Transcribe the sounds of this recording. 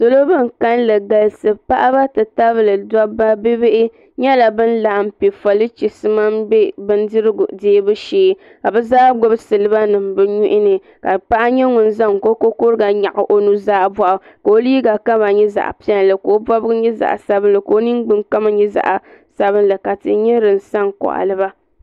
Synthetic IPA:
so˦lo˦bɨ˦˨ŋ̩˨ka˦nlɨ˨ɡa˨lsɨ˨pa˦ʔa˦ba˦tɨ˨ta˦βɨ˦lɨ˨da˦ba˦be˦be˦ʔɪ˦ | ɲɛ˦la˨bɨ˦n˦la˨m̩˦pi˨fa˨lɨ˦t͡ʃi˨sɨ˦ma˦mbɛ˦bɨ˦n˦dɨ˦ɾɨ˦ɡdeː˦bɨ˦ʃeː˦ | ka˨bɨ˦zaː˦ɡo˦bɨ˦sɨ˨lɨ˦ba˦nɨ˨mbɨ˦ɲu˦ʔɪ˦nɨ˨ | ka˨pa˦ʔa˦ɲɛ˦ŋʊ˨n˦za˦ŋ˨ko˦ko˦ko˦ɾɨ˦ɡa˨ɲa̰˨ʔʊ˨ʔo˦nu˦zaː˦ba˦˨ʔa˨ | ka˨o˦liː˦ɡa˨ka˦ba˨ɲɛ˦za̰˨ʔpi˦ɛ˦n˨lɨ˨ko˨o˦bɔ˦bɨ˦ɡɨ˦ɲɛ˦za̰˨ʔa˨sa˦bɨ˦nlɨ˨ko˨o˦nɨ˦ŋɡ͡bɨ˦ŋka˦ma˦ɲɛ˦za̰˨ʔa˨sa˦bɨ˦nlɨ˨ka˨tɨ̰˨ɲɛ˦ɾɨ˨n˨sa˦ŋkɔ̰˨ʔa̰˨lɨ˦ba˦

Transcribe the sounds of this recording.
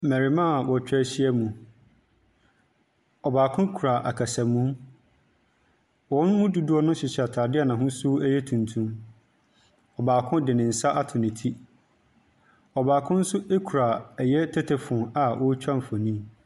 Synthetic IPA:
mɛ̃˨ɾɪ˨mã˦˨wɔ˨t͡ɕᶣɛ˦˨ɕɪ˦ɛ˦mũ˨ | ɔ˨baː˨kʰʊ̃˦kʰu˨ɾa˨ʔa˨kʰa˨sæ˨mũ˦m | wɔ̃˨˦n˦mʊ̃˦du˨du˦ɔ˦nʊ̃˦ɕɪ˨ɕa˨tʰa˨dɪ˦a˨nã˨ɦʊ̃˦su˦ɛ˦jɛ˦tʰũ˨ntʰũ˦m | ɔ˨baː˨kʰʊ̃˦dɪ˨nɪ̃˨n̩˨sa˦ʔa˦tʰɪ˨nɪ̃˨tʰi˦ | ɔ˨baː˨kʰʊ̃˦n̩˦sʊ˦ʔe˦kʰu˨ɾa˨ɛ˨jɛ˦tʰɛ˦tʰɛ˨fʊ̃˨a˨ʔɔ˦t͡ɕᶣã˦m˨fɔ˨nĩ˦m

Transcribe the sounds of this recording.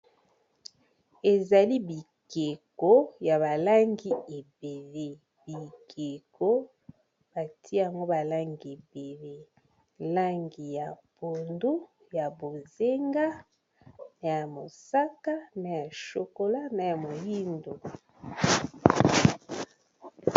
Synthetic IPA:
e˨za˨li˦bi˨ | ke˨ko˦ja˨βa˨la˦ŋɡi˦e˨be˨le˦ | b̥i˨kʰe˨kʰo˦ | b̥a˨tʰi˦a˨ŋɡo˦ba˨la˦ŋɡi˨e˨be˨le˦ | la˦ŋɡi˨ja˨po˨ndu˦ | ja˨bo˨ze˦ŋɡa˦ | na˨ja˨mo˨sa˦ka˦na˨ja˨ʃo˨ko˨la˦na˨ja˨mo˨ji˦ndo˨

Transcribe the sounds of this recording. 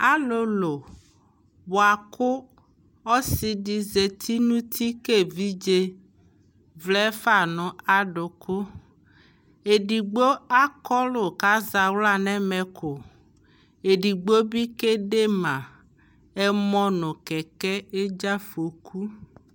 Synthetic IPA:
a˦lo˦lo˨ | wo˨a˨kʊ˦ | ɔ˦si˨ɖi˨ze˨t̪ʰi˦nũ˦t̪ʰi˦ke˦vi˦d͡ʒe˦ | vlɛ˦fa˨nʊ̃˨a˨ɖʊ˨kʰʊ˦ | e˨ɖi˨ɡ͡bo˦a˦kɔ˦lo˨ka˦za˨wla˦nɛ̃˦mɛ˨kʰo˨ | e˨ɖi˨ɡ͡bo˦bi˦ke˦ɖe˦mã˨ | e˦mɔ̃˦nʊ̃˨kɛ˨kɛ˦e˦d͡ʒa˦fo˨kʰu˦

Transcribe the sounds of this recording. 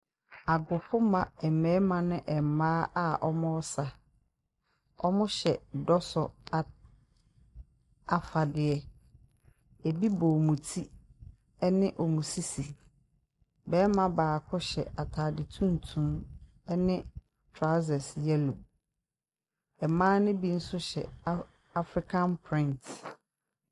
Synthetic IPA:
a˨ɡʊ˨fʊ˦mã˨ɛ˨mɛ̃ː˨˦mã˨nɪ̃˦ʔɛ˨m˨maː˦ʔa˦ʔɔ˦mʊ̃˦ɔ˦sa˨ | ɔ˦mʊ̃˦ɕɛ˨dɔ˦sɔ˨a˨ | a˨fa˨dɪ˨ɛ˦ | e˨bi˦bɔː˨mũ˨tʰi˦ | ɛ˦nɪ̃˦ʔɔ˨mũ˨si˦si˨ | bɛː˦mã˨baː˨kʰɔ˦ɕɛ˨a˨tʰaː˨dɪ˨tʰũ˦n̩˨tʰũ˦m | ɛ˦nɪ̃˦ | tʰɹa˦sɛ˨sjɛ˦lu˨b̚ | ɛ˨mãː˦nɪ̃˦bi˦n̩˦sʊ˦ɕɛ̰˨ | a˦fɾi˦kʰã˦npʰɾɪ̃˦nt

